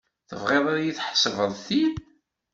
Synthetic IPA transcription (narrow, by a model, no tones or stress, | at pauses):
θə̰vʁeðˤaɾajiθħsəvəðˤθið